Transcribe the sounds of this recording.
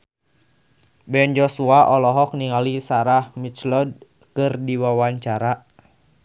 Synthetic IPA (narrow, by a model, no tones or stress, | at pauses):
bɛnd͡ʒɔsuaʔɔlɔɦɔk̚niŋalisaɾahmit͡ʃlɔd̚ | kɨrdiwawaɲt͡ʃaɾa